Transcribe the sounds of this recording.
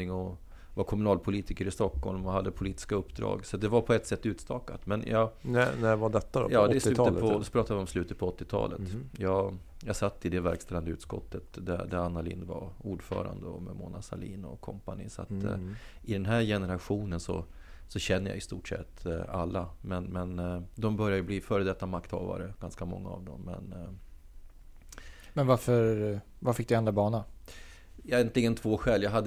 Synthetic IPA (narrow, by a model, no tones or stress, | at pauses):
ɪŋɔ | vakʰɔmɵnɑːlpʰʊliːt̪ɪkəɾɪst̪ɔkhɔlmɔhad̪ːəpʰʊliːt̪ɪ̥skaɵpːd̪ɾɑ̰ːɡsat̪̚d̪ɛvaɾpʰɔɛt̪ːsɛt̪ːʉ̟ːt̪st̪ɑːkat̪mɛnjɑnævad̪ɛt̪ːad̪ɔ̰jɑːd̪ɛslʉɔpʰɾɑːt̪avɪɔmslʉ̟ːt̪ət̪̚pʰɔɔt̪ːɪt̪ʰɑ̰ːlə̰t̪jɑː | jɑsat̪ːɪd̪ɛvæɾkst̪ɛland̪əʉ̟ːt̪skɔ̰t̪ːət̪d̪æd̪æɾanːalɪ̰nːvauːɖfœ̰ːɾa̰nd̪əɔmɛmʊnasaliːnɔkʰɔmpanɪsa̰t̪ | ɪd̪ɛnɦæːɾjɛnəɾaɧuːnənsɔ̰ | sɔɕɛnːəɾja̰ɪst̪uːʈʂɛ̰t̪ːalːamɛnmɛnd̪ɔmbœɾjad̪əbliːfœːɾəd̪ɛt̪ːamakt̪hɑːva̰ɾəɡ̥anskamɔ̰ŋːaɑ̰vd̪ɔmːɛ̰n | mɛnvaɾfœɾ | vaɾfɪk̚d̪ɵɛnd̪ɾabɑːɳa | ɛnt̪ʰlɪɡənt̪ʰvoːɧɛːlːjaɦad̪ː